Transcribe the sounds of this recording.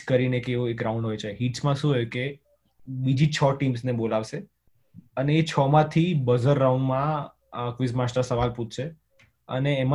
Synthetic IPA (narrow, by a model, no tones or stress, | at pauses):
kəɾinekeoekɾaũɳɖɦojt͡ʃʰeɦiʈsmãʃũɦəjũke | bid͡ʒʱit͡ʃʰɔʈimsnebolaʋʃe | əneːt͡ʃʰɔmãt̪ʰibəzəɾːaũɳɖmã | kʋɪsmasʈəɾsəʋalpũt̪ʰt͡ʃʰe | ə̰neːma